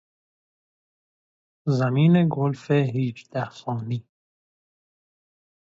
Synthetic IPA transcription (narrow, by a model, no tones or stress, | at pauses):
zamiːneɡʊlfeɦiːt͡ʃd̪ahsɔːni